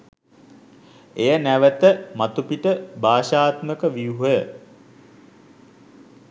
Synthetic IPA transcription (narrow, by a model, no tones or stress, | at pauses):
ejənæʋət̪əmat̪upiʈəbaːʃaːt̪məkəʋiuɦə